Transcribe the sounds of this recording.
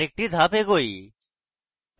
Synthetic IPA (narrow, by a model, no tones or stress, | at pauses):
ek̚ʈiːd̪ʱaːpeːɡoːḭː